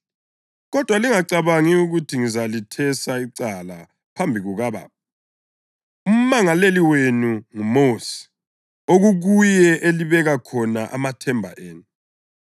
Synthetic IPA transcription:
ɣɔd̥ʱwaliŋaǀaβaŋiuɣutʰiŋizalitʰɛsaiǀala̰ | pʰambʱiɣuɣaβa̰ːp̚ʰɔ | um̩maŋaleliwenuŋumosi̥ | oɣuɣujɛʔeliβɛɣakʰɔnaʔamatʰɛmbʱa̰ʔeːnu

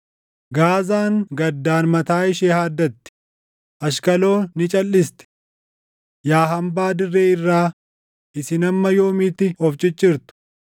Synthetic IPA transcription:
ɡaːzaːŋɡɐd̪ːaːnmɐt̪aːɪʃeːhaːd̪ːɐt̪ːɪ̥ | ʔɐʃ̬kɐlo̞ːnɪt͡ʃʼɐlːɪst̪ɛ̥ | jaːɦɐmbaːd̪ɪrːeːɪrːaː | ʔɪsɪnɐmːɐjo̞ːmɪt̪ɪhɔft͡ʃʼɪt͡ʃʼːɪɾt̪ʊ̥

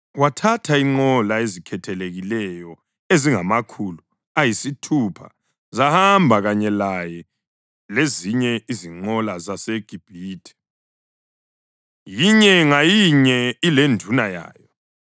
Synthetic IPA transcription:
watʰatʰaiŋ͡ǃɔlaezikʰɛtʰɛleɣilɛjɔ | eziŋamakʰulu | ajisitʰupʰa̰ | zahambʱaɣaɲɛlajɛ | leziɲɛiziŋ͡ǃɔlazaseɡ̥ʱib̥ʱiːtʰɛ̥ | jiɲɛŋajiɲɛilendʱunaja̰ːjɔ

